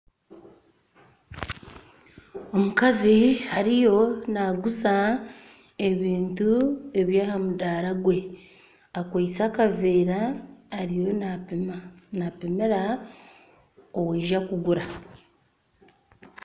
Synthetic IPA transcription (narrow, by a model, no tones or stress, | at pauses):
o̞mukazihaɾijo̞naɡuza | eβiːntue̞βjaːhamudaːɾaɡwe̞ | akwaisaːkaveːɾaːɾijo̞ | napeme̞ɾa | oweːʒakuɡuɾa